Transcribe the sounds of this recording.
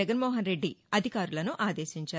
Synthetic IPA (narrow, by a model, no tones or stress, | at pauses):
ɐɡɐnmoːɦɐnɾe̞ɖːiɐd̪ʱikaːɾulɐnuʔaːd̪e̞ːʃiɲt͡ʃaː